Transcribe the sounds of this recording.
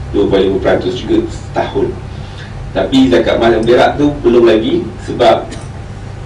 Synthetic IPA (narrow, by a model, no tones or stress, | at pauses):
duəvɔluməpəɾant̪ʊsd͡ʒuɡəsə̥t̪ahʊn | t̪apizaka̰ʔmalambəɾa̰ʔt̪upəlʊmlaɡisəbap̚